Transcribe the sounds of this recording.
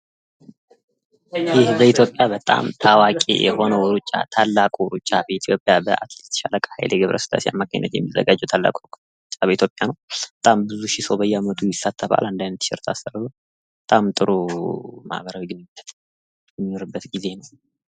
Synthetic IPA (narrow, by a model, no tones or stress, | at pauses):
jɪhbəit̪ʰjo̞pʼjabət̪ʼa̰mt̪ʰawakʼḛjɛ̰ho̞nəwɾut͡ʃʼːa̰t̪ʰalːakʼuɾut͡ʃʼːabəit̪ʰjo̞pʼjabəʔa̰t̪lit̪j̪ʰə̥ʃaləkʼəhajljɛɡɨβɾʔə̰sɨla̰sia̰mːakʰə̰ɲːə̰t̪jɛ̰mːizə̰ɡad͡ʒːɛwt̪ʰalːa̰kʼuk | t͡ʃʼːabəit̪ʰjo̞pʼjanəwb̥ət̪ʼambɨzuʃisəwbəjːɛamət̪ʰujɪsat̪ʰːəfa̰lɨnd̪ajnət̪ːʃɪ̰ɾt̪ʰa̰sərːbu | bət̪ʼamt̪ʼɨɾuma̰hbəɾawiɡɨnbət̪ | ɛmːinoɾɨbːət̪ɡize̞nəw